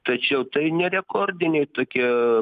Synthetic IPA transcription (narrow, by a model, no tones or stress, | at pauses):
t̪ɐt͡ʃʲɛʊt̪ɐɪnʲɛɾʲɛkoːrʲd̪ʲɪnʲɛɪt̪oːkʲiɛ